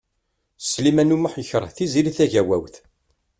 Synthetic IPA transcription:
slimænuməħjəçəɾˤəθiziɾiθæʝæwæ̰wθ

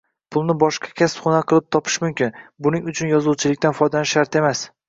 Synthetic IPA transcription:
pʰʊlˠnɪbɒʃqʰɑ̥kʲʰaspχʊnaqʰɨlˠɪp̚t̪ʰɒpʰɪ̥ʃmʊmkʲɪnbʊnɪŋʊt͡ʃʰʊnjɒzuwt͡ʃʰɪlɪkʲt̪anfɒjd̪anɪʃːaɾt̪e̞mas

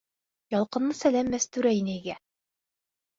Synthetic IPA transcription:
jɑlˠqɤ̆nːɤsælæmːæst̪ʉɾæinɘiɡæ

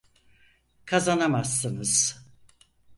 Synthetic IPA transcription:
kʰazanamasːɯnɯz̥

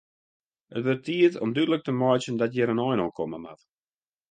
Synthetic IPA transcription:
ətvət̪iətɔ̰mdydlək̚təmɔjt͡ʃəndatjɛɾənɔjnɔkʰɔməma̰t

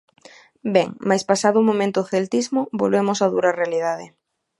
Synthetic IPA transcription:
bɛŋmajspasaðʊmõmẽnt̪ʊθelt̪izmobolβemosaðuɾarealið̞aðɪ̰

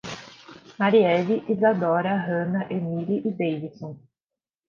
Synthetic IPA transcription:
maɾiɛviʔizad̪ɔɾɐɦɐ̃nɐʔemiliʔid̪ejvisõ

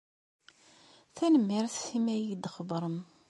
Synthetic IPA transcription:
θænəmːiɾθːimæjid̪χəbɾˤəm

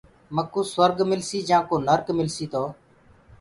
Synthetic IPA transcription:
məkũːsʋəɾɡmɪlsiːd͡ʒãːkoːnəɾkmɪlsiːt̪oː

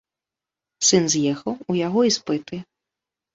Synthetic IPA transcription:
sɨnzʲjɛxɐwujaɣɔispɨt̪ɨ

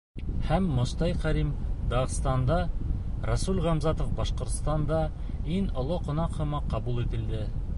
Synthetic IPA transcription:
hæmːŏst̪ɑjqæɾimd̪ɑʁst̪ɑnd̪ɑ | rɑsulʁɑmzɑt̪ŏfbɑʃqŏɾt̪st̪ɑnd̪ɑ | inŏlˠoqŏnɑqhɤ̆mɑqɑbulˠit̪ɘ̆ld̪ɘ

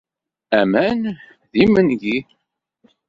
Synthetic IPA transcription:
æmæn | ðimənʝi

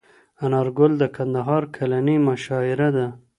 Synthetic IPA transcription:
anɑɾɡʊld̪əkʰand̪aɦɑɾkʰalanimaʃɑɪɾad̪a

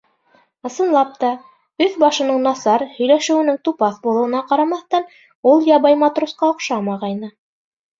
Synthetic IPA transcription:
ɤ̆sɤ̆nlˠɑp̚t̪ɑ | ɵθbɑʃɤ̆nɤɴnɑsɑɾhɵ̆jlæʃɘ̆wɘ̆nɘŋt̪upɑθbulˠɤ̆wɤ̆nɑqɑɾɑmɑθt̪ɑn | ulˠjɑβɑjmɑt̪rusqɑŏqʃɑmɑʁɑjnɤ

